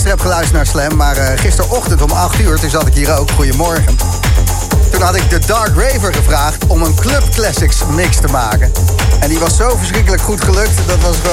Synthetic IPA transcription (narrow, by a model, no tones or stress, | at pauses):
stəɹɛpχəlœɥstənaːɹslɛmːaːɹəχɪstəɹʔɔχtəntɔmɑχtyːɹtuzɑtɪkɦiːɾowkχujəmɔɹχən | tunɦɑtɪɡ̚dədɑɹkrejvəɹχəvraːχtɔmənklɵpklɛsɪksmɪkstəmaːkənɛndiʋɑsːowvəɹsχrɪk̬ələkχutχəlɵk̚tdɑtʋɑs